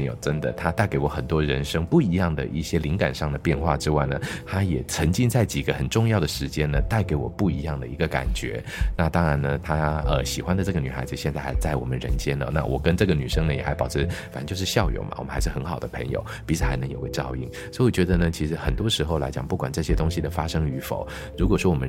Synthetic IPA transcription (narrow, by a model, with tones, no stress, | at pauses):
jo˨˩ʊʈ͡ʂə˥nd̪ə̰˨t̪ʰa˥t̪a˥˩ɪke˧˥ɪwɔ˧˥xə˨˩nt̪wɔ˥ɻə˧˥nʂɤ˥ŋpu˥˩i˧˥jɑ˥˩ŋd̪ə̰˨ʔḭ˥˩ɕjɛ˥li˧˥ŋka̰˨˩nʂɑ˥˩ŋd̪ə˩pjɛ˥˧nxwa˥˧ʈ͡ʂɻ̩˥wa˥˩ɪnə˩t̪ʰa˥jɛ˨˩t͡sʰə˧˥ŋt͡ɕi˥˧ŋt͡sa˥˩ɪt͡ɕi˨˩ɡə˦xə˨˩nʈ͡ʂʊ˥˧ŋjɑ˥˩ʊd̪ə˩ʂɻ̩˧˥t͡ɕjɛ˥nə˨t̪a˥˩ɪke˧˥ɪwɔ̰˨˩pu˥˩i˧˥jɑ˥˩ŋd̪ə˩ḭ˧˥ɡə˧ka̰˨˩nt͡ɕɥɛ̰˧˥ | na˥˧t̪ɑ˥ŋɻa˧˥nnə˧t̪ʰa˥ə˧ɕi˨˩xwa˥nd̪ə˨ʈ͡ʂɤ˥˩ɡə˩ny˨˩xa˧˥ɪd͡z̩˧ɕjɛ˥˧nt͡sa˥˩ɪxa̰˧˥ɪt͡sa˥˩ɪwɔ˨˩mə˦nɻə̰˧˥nt͡ɕjɛ˥nlə̰˨˦na̰˥˩wʔɔ̰˨˩kə˦nʈ͡ʂɤ˥˩ɡə˩ny˨˩ʂɤ˥ŋnə˨jɛ˨˩xa˧˥ɪpɑ˨˩ʊʈ͡ʂʰɻ̩˧˥˩fa˨˩n˧˥t͡ɕjʂɻ̩˥˧ɕjɑ˥˧ʊjo̰˨˩ʊmɐ̰˩wɔ˨˩ə˦xa˧˥ɪʂɻ̩˥˩xə˧˥nxɑ˨˩ʊd̪ə˦pʰə̰˧˥ŋjo̰˨˩ʊpi˧˥ʂ̩ʰ˧˩xa˧˥ɪnɤ˧˥ŋjo˨˩ʊɡə˧˦t͡ɕɑ˥˧ʊḭ˥˩ŋswɔ˧˥i˥wɔ˨˩t͡ɕɥɛ˧˥d̪ə˧nə˨t͡ɕʰi˧˥ʂɻ̩˧˥xə˨˩nt̪wɔ˥ʂɻ̩˧˥xo˧ʊla̰˧ɪt͡ɕjɑ˨˩ŋpu˥˩kwa˨˩nʈ͡ʂɤ˥˩ɕjɛ˥t̪ʊ˥ŋɕi˨d̪ə˨˩fa˥ʂɤ˥ŋy˧˥fo̰˨˩˦ʊ | ɻu˧˥kwɔ˨˩ʂwɔ˥wɔ˨˩ə˦